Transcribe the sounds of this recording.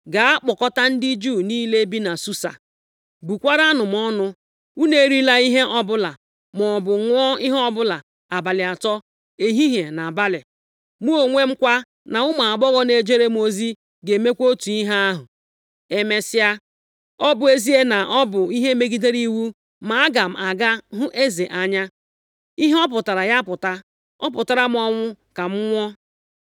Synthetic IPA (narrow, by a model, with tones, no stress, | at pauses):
ɡa˨a˦k͡pɔ˨kɔ˦ta˦n̩˦dɪ˦d͡ʒuː˦˨niː˦le˦bi˦na˨su˦sa̰˨ | bu˨kʷa˦ɾa˦nʊ˨m˨ɔ˦nʊ˦ | u˦ne˦ɾi˦la˦i˦ɦe˦ʔɔ˦bʊ˦la˨ | m˨ɔ˨bʊ˨ŋʷɔ˦i˦ɦɔ˦bʊ˦la˨ | a˨ba˨lɪ˨a˨tɔ˦ | e˨ɦi˦ɦe˨na˨ba˦lɪ˨ | mu˦o˨ŋʷe˦ŋ͡m̩˦kʷa˦ | na˨ʊ˦ma˨a˨ɡ͡bɔ˦ɣɔ˦ne˨d͡ʒe˦ɾe˦mo˦zi˦ | ɡe˨me˦kʷo˦tu˨i˦ɦa˦a˦ɦʊ˨ | e˨me˨sɪ˦a˦ | ɔ˦bʊ˦e˦zi˦e˦na˨ʔɔ˦bʊ˨i˦ɦe˦me˦ɡi˦de˦ɾi˦wu˦ | ma˨a˦ɡa˨m̩˨a˨ɡa˦ɦʊ˦ʔe˦ze˨ʔa˨ɲa˦ | i˦ɦe˦ɔ˦p̬ʊ˨ta˨ɾa˨ja˦pʊ˨ta˦ | ɔ˦pʊ˨ta˨ɾa˦m˦ɔ˦ŋʷʊ˦ka˨m̩˦ŋʷɔ˦